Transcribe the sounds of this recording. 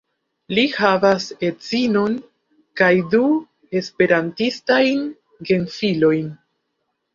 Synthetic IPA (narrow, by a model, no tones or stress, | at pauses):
lihavase̞t͡sino̞n | kajdu | e̞spe̞ɾantistajn | ɡe̞nfilo̞jn